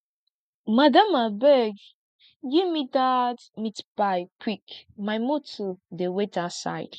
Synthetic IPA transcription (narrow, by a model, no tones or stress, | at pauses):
madãmabɛɡ | ɡivmidadmitbajkwikmajmotodewetasa̰jd̥